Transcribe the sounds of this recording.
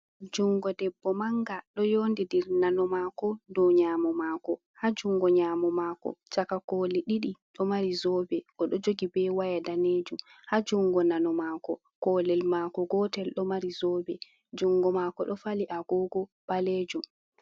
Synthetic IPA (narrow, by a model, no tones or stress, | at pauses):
d͡ʒuŋɡɔdɛbːɔmaŋɡaɗɔjondidiɾnanɔmaːkɔdɔɲamɔmaːkɔ | had͡ʒuŋɡɔɲamɔmaːkɔ̰t͡ʃakakoliɗiɗiɗɔmaɾizɔːbɛʔɔɗɔd͡ʒoɡibɛwajadaneːd͡ʒumhad͡ʒuŋɡɔnanɔmaːkɔ | kɔlɛlmaːkɔɡɔtɛlɗɔmaɾizɔːbɛ | d͡ʒuŋɡɔmakɔɗɔfaliʔaɡɔɡɔɓ̥aleːd͡ʒum